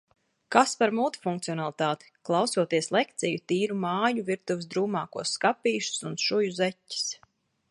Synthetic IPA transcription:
kaspaɾmuːt̪i̥fuŋkt̪siɔnalˠit̪aːt̪i̥klˠɑwsuɔt̪iɛslˠɛkt̪sijut̪iːɾumaːjuviɾt̪uvɪsd̪ɾuːmaːkuɔsːkapiːʃu̥sunʃujuzɛcʲːi̥s

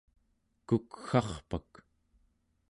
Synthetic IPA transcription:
kukxɑχpak

